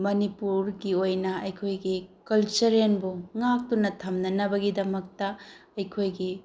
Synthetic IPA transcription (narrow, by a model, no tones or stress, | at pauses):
mɐnipuɾɡiojnɐɐjkʰojɡikɐlt͡ʃɐɾenbuŋak̚tunɐtʰɐmnɐnɐbɐɡidɐmɐk̚tɐɐjkʰojɡi